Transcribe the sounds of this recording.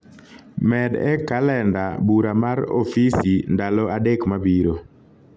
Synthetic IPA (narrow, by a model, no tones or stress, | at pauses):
mɛdɛ̰kalɛndabuɾamaɾo̰fisindalɔadekmabiɾo